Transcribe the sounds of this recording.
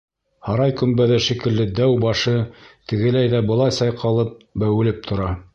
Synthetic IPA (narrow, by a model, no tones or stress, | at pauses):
hɑɾɑjkɵ̆mbæðæʃikɘ̆lːɘd̪æwbɑʃɤt̪ɘ̆ɡɘ̆læjðæbɤ̆lˠɑjsɑjqʰɑlˠɤp̚bæwɘ̆lɘp̚t̪ʰŏɾɑ